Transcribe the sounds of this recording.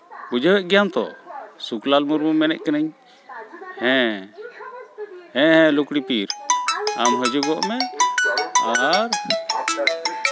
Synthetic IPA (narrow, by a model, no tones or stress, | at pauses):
bud͡ʒawɛʔɡijant̪ɔ̰suklalmuɾmumɛnɛ̰ʔkɛnaɲ | hɛ̃ | hɛ̃hɛ̃lukɽipiɾamɦəd͡ʒuɡɔʔmɛ | aɦaɾ